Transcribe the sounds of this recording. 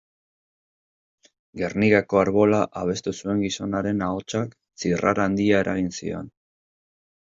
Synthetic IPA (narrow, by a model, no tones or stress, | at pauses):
ɡe̞rniɣako̞aɾβo̞laʔaβ̞e̞st̪usue̞ŋɡiso̞naɾe̞naot͡ʃak | t͡sira̰ɾaːnd̪iae̞ɾʔaɣ̞insḭo̞̰n